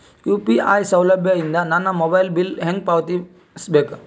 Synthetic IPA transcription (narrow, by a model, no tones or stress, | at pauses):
kjuːpiʔaːjsɐwlɐbʱjɐind̪ɐnɐnːɐmobɐjlbilɦeŋɡ̚paːʋt̪i | sbeːk